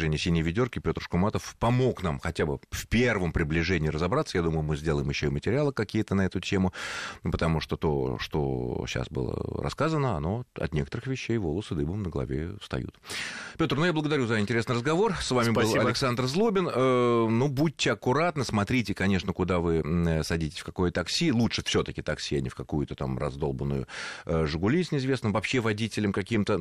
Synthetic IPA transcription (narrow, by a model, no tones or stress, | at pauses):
ɛnʲɪəsʲinʲɪjvʲɪdʲo̞rkʲɪpʲo̞t̪rʂkʊmat̪əfpɐmo̞knamxɐtʲabɨfpʲe̞rvəmpɾʲɪblʲɪʐɛnʲɪːɾəzɐbɾat̪səjad̪uməjʊmɨzʲdʲe̞lˠəjɪmjɪɕːoimətʲɪɾʲɪalˠɨkɐkʲijət̪ənɐɛt̪ʊtʲe̞mʊpət̪ɐmuʂt̪ot̪o̞̰ʂt̪o̰ɕa̰sbɨ̰lˠə̰ɾɐ̰skazənəɐ̰no̞ɐ̰t̪nʲekət̪əɾɨxvʲɪɕːejvo̞lˠəsɨd̪ɨbəmnəɡəlˠɐ̰vʲḛfst̪ɐ̰jṵt̪pʲo̞t̪rnujabləɡəd̪ɐɾʲuzəɪnʲtʲɪɾʲesnɨjɾəzɡɐvo̞rsvamʲɪbɨlˠɐlʲɪksand̪rzlˠobʲɪnənubut̚ʲːɪɐkʊɾat̪nəsmɐt̪ɾʲitʲɪkɐnʲe̞ʂnəkʊd̪avɨsɐdʲitʲɪ̥sʲfkɐko̞jət̪ɐksʲilˠutʂɨfsʲo̞t̪əkʲɪt̪ɐksʲiɐnʲɪ̰fkɐkujʊt̪ət̪amrɐ̰zd̪olˠbənːʊ̰jʊ̰ʐɨɡʊlʲisʲnʲɪzvʲe̞snɨmvɐpɕːe̞vɐdʲitʲɪlʲɪmkɐkʲimt̪ə